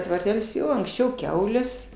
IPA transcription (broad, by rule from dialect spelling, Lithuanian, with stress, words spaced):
tʋɐrʲˈtʲɛlʲsʲ ˈjoː ɐŋksʲˈt͡ʃʲɛʊ ˈkʲɛʊlʲeːs